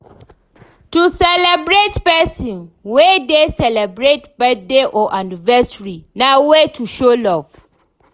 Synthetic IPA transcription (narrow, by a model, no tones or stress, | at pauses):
tusɛlɛbɹetpɛsĩnwɛdesɛlɛbɹetbɛdeʔɔʔanivɛsɹinãwɛtʰuʃolɔv̥